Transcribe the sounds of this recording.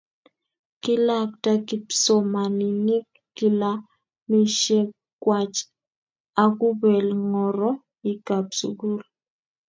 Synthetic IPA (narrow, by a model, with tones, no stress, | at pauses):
kɪ˦la˦k̚ta˦ki˦pso˨ma˨nɪ˨nɪ˦kːi˦la˦ | mi˦ʃe˦ | kwa˨t͡ʃ | a˨ku˦bɛ˨lŋɔ˨ɾɔ˦ | ɪ˨ka˨psṵ˨ɡu˦l